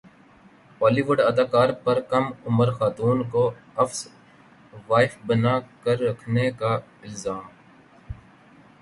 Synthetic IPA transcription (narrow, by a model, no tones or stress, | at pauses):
ɔːliʋʊɖɐd̪aːkaːɾpɐɾkɐmʊməɾxaːt̪uːnkoɐfs | ʋaːɪfbənakəɾːɐkʰnekaɪlzaːm